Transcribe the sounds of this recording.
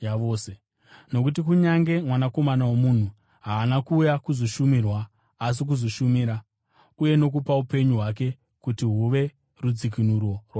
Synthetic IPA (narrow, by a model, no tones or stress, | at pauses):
jaʋoːse | no̞k̬ut̬ikuɲaŋɡe̞mwanako̞manawomun̤u | ɦaːnakuːjakuzoʃumirwaː | s̬ik̬uzoʃumiːɾa | uje̞no̞kupaupe̞ɲuɦwak̬e̞ | kutiɦuʋe̞ | rud͡zik̬inurwo̞rwa